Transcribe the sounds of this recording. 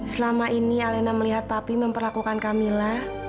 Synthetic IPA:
səlamaʔinialenaməliɦat̪̚papiməmpərlakukankamilah

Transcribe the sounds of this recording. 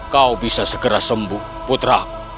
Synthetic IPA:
kawbisasəkəɾasəmbu | put̪ɾaku̥

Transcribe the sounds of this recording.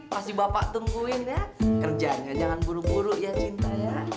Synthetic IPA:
pasibapaʔt̪uŋɡuɪnjakərd͡ʒaɲad͡ʒaŋanbuɾubuɾuʔjat͡ʃint̪aja

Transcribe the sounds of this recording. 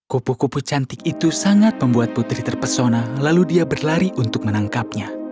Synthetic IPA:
kupukuput͡ʃant̪ɪkit̪usaŋat̪̚məmbuat̪̚put̪ɾiht̪ərpərsonalaludiabərlaɾiʔunt̪ʊk̚mənaŋkap̚ɲa

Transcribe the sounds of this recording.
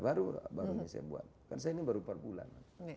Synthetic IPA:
baɾubaɾuɲasaja̰bua̰t̪̚kans̬ajainibaɾupərbula̰n

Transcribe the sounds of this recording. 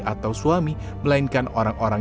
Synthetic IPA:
at̪awsuami | məlainkanoɾaŋoɾaŋ

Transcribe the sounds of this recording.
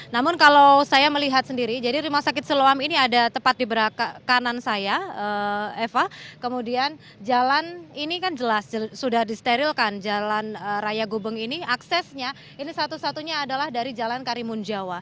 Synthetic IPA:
namʊnkalawsajaməliɦat̪̚səndiɾid͡ʒadiɾimasakɪt̪̚səloaminiadat̪əpat̪̚dibəɾakakanansajaəɛfakəmudian | d͡ʒalaninikand͡ʒəlasd͡ʒəsudahdist̪eɾilkand͡ʒalanərajaɡubəŋiniaksɛsɲa | inisat̪usat̪uɲaːdalahdaɾid͡ʒalankaɾimund͡ʒawa

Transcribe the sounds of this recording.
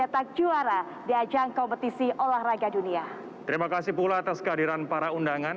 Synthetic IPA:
dat̪ak̚d͡ʒuaɾa | diad͡ʒaŋkɔmpət̪isiʔolahraɡadunia | t̪əɾimakasipulaat̪askəadiɾanpaɾaundaŋan

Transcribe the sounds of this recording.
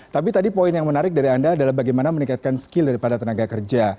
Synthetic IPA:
t̪apit̪adipoinjaŋmənaɾɪk̚daɾiandaːdalahbaɡajmanaməniŋkat̪̚kansə̥kɪldaɾipadat̪ənaɡakərd͡ʒa

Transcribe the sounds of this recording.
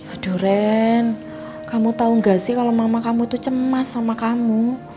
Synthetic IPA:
ad̥ṳɾɛn | kamut̪auŋɡasɪhkalomamakamuit̪ut͡ʃəmasːamakamu

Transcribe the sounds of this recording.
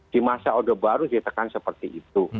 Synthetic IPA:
d̥imasaodabaɾudit̪əkansəpərt̪iʔit̪u

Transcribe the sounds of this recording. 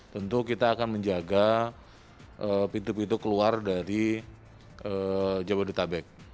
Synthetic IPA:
t̪ənt̪ukit̪aːkanməɲd͡ʒaɡa | əpit̪upit̪ukəluardaɾi | ʔəd͡ʒabadut̪abɛk̚

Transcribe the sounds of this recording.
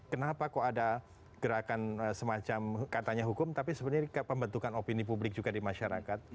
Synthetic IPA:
kənapakoada | ɡ̥əɾakanəsəmat͡ʃamkat̪aɲaɦukʊmt̪apisəbət̪ɲakpəmbənt̪ukanopinipublɪk̚d͡ʒuɡadimaʃaɾa̰kat̪̚

